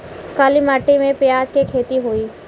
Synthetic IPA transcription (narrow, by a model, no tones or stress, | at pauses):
kaːlimaːʈimẽpjaːd͡ʒkekʰeːt̪iɦoːiː